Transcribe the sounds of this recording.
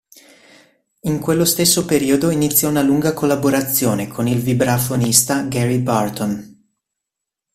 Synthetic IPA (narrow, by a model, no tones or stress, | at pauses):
iŋkwelːost̪esːopeɾiːod̪oinit̪sːjaunaluŋɡakolːaboɾat̪sːjoːnekʰonilvibɾafonist̪aɡɛɾibart̪on